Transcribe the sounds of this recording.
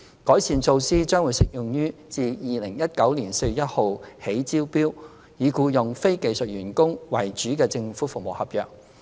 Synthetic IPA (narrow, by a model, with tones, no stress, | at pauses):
kɔː˨˥jsiː˧nt͡so˧wsiː˥t͡ʃœː˥ŋwuː˨˧jsɪ˨k̚jʊ˨ŋjyː˥t͡siː˨˧jiː˨lɪ˨˩ŋjɐ˥t̚kɐ˨˥wliː˨˩nse˧jy˨jɐ˥t̚ho˨whe˨˥jt͡siː˥wpiː˥w | jiː˨˧kuː˧jʊ˨ŋfe˥jke˧jsɵ˨t̚ɥyː˨˩nkʊ˥ŋwɐ˨˩jt͡ʃyː˨˥kɛː˧t͡sɪ˧ŋfuː˨˥fʊ˨k̚mo˨whɐ˨p̚jœː˨k̚